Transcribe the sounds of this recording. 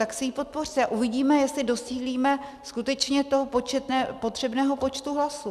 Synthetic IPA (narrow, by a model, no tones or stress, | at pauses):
t̪aksɛjiːpo̞t̪̚po̞rt̪ɛaʔuvɪɟiːmɛjɛst̪lɪdo̞siːɦliːmɛskut̪ɛt͡ʃɲɛt̪o̞ɦopot͡ʃɛt̪nɛpo̞t̪r̥ɛbnɛːɦopo̞t͡ʃt̪uɦlasu